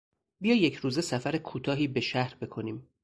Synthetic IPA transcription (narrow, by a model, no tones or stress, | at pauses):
bijɒːjecʰɾuːze̞sæfæɾekʰuːt̪ʰɒːɦiːbe̞ʃæhɾbe̞kʰo̞niːm